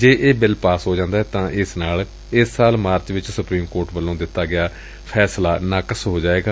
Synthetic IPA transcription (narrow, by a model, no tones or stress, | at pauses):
d͡ʒeːʔeːbɪlpaːsɦoːd͡ʒãːnd̪aːɦɛːt̪ãːʔɪsnaːl | ɪsːaːlmaːɾt͡ʃʋɪt͡ʃsʊpɾiːmkoːɾʈbəlːõːd̪ɪt̪ːaːɡɪaː | pʰɛːslaːnaːkəsɦoːd͡ʒaːeːɡaː